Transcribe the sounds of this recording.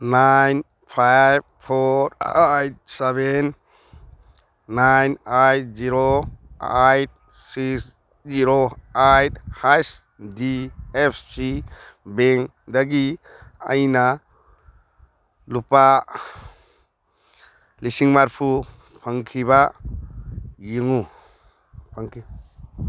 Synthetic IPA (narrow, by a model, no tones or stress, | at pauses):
najn | pʰajb̚pʰɔɾajt̚seben | ajnajt̚ziɾoajt̚ | sis | ziɾoajthajs | diepʰsi | beŋ | daɡia̰jna | lupa | lisiŋmaɾpʰu | pʰaŋkʰiβa | jiŋu | pʰaŋkʰi